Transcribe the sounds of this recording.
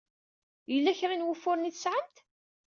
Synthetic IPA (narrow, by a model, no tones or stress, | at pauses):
jəlːæçɾanwʊfːʊɾniθsʕəmt̪